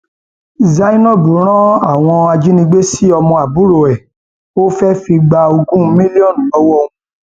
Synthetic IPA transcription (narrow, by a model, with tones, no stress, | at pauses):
za˧˦ĩ˦nɔ̃˦˨bu˨˦ɾ̃ɔ̃˦a˦˨w̃ɔ̃˧a˧d͡ʒi˦nĩ˧ɡ͡be˦si˦ɔ˧mɔ̃˧a˨bu˦ɾo˨ɛ˨ | o˦fɛ˦fi˧ɡ͡ba˧o˧ɡũ˦mĩ˦li˦ɔ̃˦˨ɔ˨˦wɔ˧ũ˧